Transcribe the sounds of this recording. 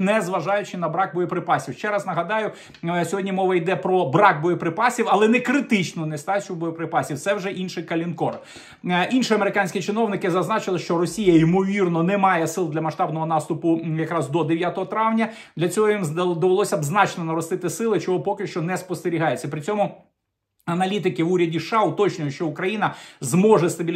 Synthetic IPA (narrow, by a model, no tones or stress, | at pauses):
nɛzʋɐʒɑjʊt͡ʃɪnɐbɾɑk̚bɔjɔpɾɪpɑsʲiwʃt͡ʃɛɾɑsnɐɦɐd̪ɑjʊ | sʲɔɦɔdʲnʲimɔʋɐjd̪ɛpɾɔbɾɑk̚bɔjɔpɾɪpɑsʲiwɐlˠɛnɛkɾɪt̪ɪt͡ʃnɔnɛst̪ɑt͡ʃʲʊbɔjɔpɾɪpɑsʲiwt̪sɛwʒɛʔinʃɪjkɐlʲinkɔr | ʔinʃɪɐmeɾɪkanʲsʲkʲit͡ʃɪnɔwnɪkɪzɐznɑt͡ʃɪlˠɪʃt͡ʃɔrɔsʲijɐimɔʋʲirnɔnɛmɑjɛsɪlˠd̪ʲlʲɐmɐʃt̪ɑbnɔɦɔnɑst̪ʊpʊjɐkɾɑzd̪ɔd̪eʋjat̪ɔɦɔt̪ɾɑwnʲɐ | d̪lʲɐt͡sʲɔɦɔjimd̪ɔʋelˠɔsʲɐɐbznɑt͡ʃnɔnɐɾɔst̪ɪt̪ɪsɪlˠɪt͡ʃɔɦɔpɔkɪʃt͡ʃɔnɛspɔst̪eɾʲiɦɑjet͡sʲːɐpɾɪt͡sʲɔmʊ | ɐnɐlʲit̪̬ɪkɪʋuɾʲɐdʲiʃɑʊt̪ɔt͡ʃnʊjʊʃt͡ʃɔʊkɾɐjinɐzmɔʒɛst̪ɐbʲi